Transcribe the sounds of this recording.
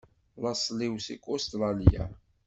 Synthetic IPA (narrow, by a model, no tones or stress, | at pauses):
lɑsˤliwsikːost̪ɾˤɑlja̰